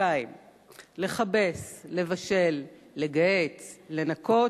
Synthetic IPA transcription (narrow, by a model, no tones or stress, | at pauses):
aim | le̞χabe̞sle̞vaʃe̞lː | e̞ɡaet͡sle̞nako̞